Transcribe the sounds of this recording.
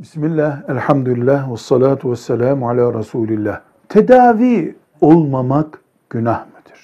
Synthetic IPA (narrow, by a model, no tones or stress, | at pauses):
bismilːæhælʲħamd̪uilʲːæːhwɑsˤːɑlaːt̪ʰuwasːælaːmʕalæːɾˤɑsuːlilːæːh | t̪ʰed̪aːviː | o̞lˠmamak | ɡ̥ynahmɯd̪̥i̥ɾ̥